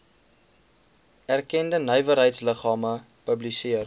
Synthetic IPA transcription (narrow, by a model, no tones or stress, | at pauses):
ærkɛndənəjvəɾɦəjtsləχɑːmə | pəblisiər